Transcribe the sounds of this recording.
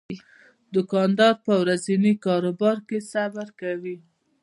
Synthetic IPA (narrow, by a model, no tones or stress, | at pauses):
d̪ʊkɑnd̪ɑɾpəwɾazinikɑɾobɑɾkesabaɾkawi